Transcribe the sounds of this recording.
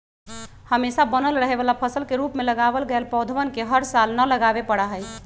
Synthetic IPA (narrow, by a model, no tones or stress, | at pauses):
həmesabənəlɾəɦebalapʰəsəlkeɾupmeləɡabəlɡelpɔwd̪ʱʋənkeɦəɾsalnələɡabepəɽaɦəjʰ